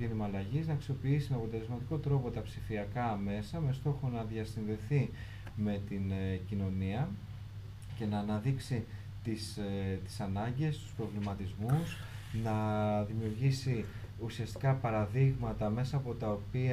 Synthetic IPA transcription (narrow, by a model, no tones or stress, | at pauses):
inimɐːlɐʝiznɐksio̞piisimeɐpo̞t̪e̞le̞zmɐt̪iko̞t̪ɾo̞po̞t̪ɐpsifiɐkɐme̞sɐme̞st̪o̞xo̞nɐðiɐsinðe̞θi | me̞t̪incino̞niɐ | ce̞nɐːnɐðiksi | t̪ist̪i̥sɐnɐɲɟe̞st̪u̥spɾo̞vlimɐt̪izmus | nɐðimiuɾʝisi | usiɐst̪i̥kɐpɐɾɐðiɣmɐt̪ɐme̞sɐːpo̞t̪ɐo̞pi